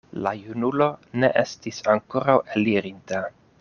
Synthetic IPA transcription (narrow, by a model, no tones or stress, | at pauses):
lajunulo̞ne̞̰ʔe̞stisaŋko̞ɾaweliɾinta